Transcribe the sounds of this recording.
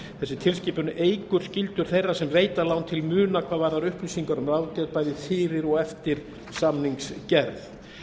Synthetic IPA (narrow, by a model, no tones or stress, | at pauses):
θɛsːɪt̪ʰɪlsciːpʏnʔeːjkʏɾ̥scɪlt̪ʏɾ̥θejrːasɛmveːjt̪alawnt̪ʰɪlmʏːnakʰv̥aːðvaːɾðaɾʏhplisiŋkaɾʏmraːwt̪ɛðpajðɪθɪːɾɪɾɔɣɛft̪ɪɾ̥ | samniŋkscɛɾθ